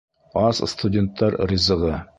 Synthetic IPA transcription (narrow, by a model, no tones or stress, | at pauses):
ɑsst̪udʲent̪ʰːɑɾɾʲɪzɤ̆ʁɤ